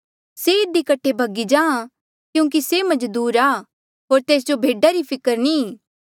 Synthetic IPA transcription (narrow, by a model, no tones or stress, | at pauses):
seɪd̪ikɐʈʰːebʱɐɡid͡ʒãːã | kjũːk̬isemɐd͡ʒd̪uːɾaː | ɦoːɾt̪eːs̬d͡ʒobʱeːɖaɾipʰɪkəɾnĩː